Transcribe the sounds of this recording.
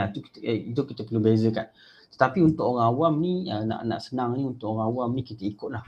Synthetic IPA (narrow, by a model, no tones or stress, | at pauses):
at̪ukiidʊp̚kit̪əpəlubezəkan | t̪ə̥t̪apiunt̪ʊʔɔɣaawamniəna̰ʔna̰ʔsənaŋniunt̪ʊʔɔɣaawamnikit̪əikʊʔnah